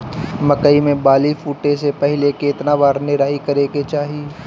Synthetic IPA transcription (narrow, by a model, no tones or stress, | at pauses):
mɐkəimẽbaːlifuːʈesepɛɦɪlekeːt̪nabaːɾnɪɾaːikɐɾeːket͡ʃaːɦi